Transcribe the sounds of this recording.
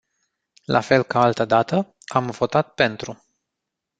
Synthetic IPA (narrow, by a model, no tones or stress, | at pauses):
lʔa̰fe̞lkaalt̪əd̪at̪ə | amvo̞t̪at̪̚pe̞nt̪ɾu